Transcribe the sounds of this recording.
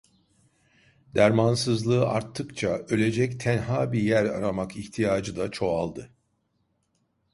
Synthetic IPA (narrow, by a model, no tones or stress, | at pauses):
d̪æɾmansɯzlˠɯːaɾt̪ʰːɯkt͡ʃʰaø̞lʲe̞d͡ʒɛct̪ʰænɦaːbijæɾa̰ɾamakiçt̪ʰijaːd͡ʒɯd̪at͡ʃʰo̞a̰lˠd̪ɯ